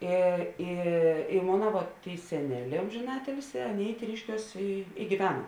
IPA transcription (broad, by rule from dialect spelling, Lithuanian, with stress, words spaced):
ˈɪ ɪ ɪ ˈmoːnɐ ʋoːt ˈtʲeːɪ sʲɛˈnʲæːˌlʲɛː ˌoːmʲʒʲeːˈnɑːtʲɪlʲsʲɪ ˈɑːˌnʲeːɪ ˈtʲrʲiːʃʲkʲuɔs ɪ ɪ ɡʲɪˈʋʲæːnɐ